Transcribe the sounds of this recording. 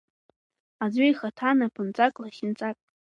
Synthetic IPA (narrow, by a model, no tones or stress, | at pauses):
ad͡zʷʊiχatʰanapʰɨnt͡sʼakʼlaχʲɪnt͡sʼakʼ